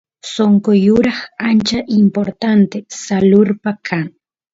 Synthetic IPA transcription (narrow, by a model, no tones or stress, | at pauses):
soŋkojʊɾaχant͡ʃaʔɪmpoɾt̪ant̪esalʊɾpakʰaŋ